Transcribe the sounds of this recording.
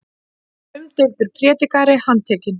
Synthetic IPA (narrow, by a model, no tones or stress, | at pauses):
ʏmt̪ejðp̪ʏɾ̥pʰɾɛːt̪ikaɾɪhant̪ʰɛːcɪn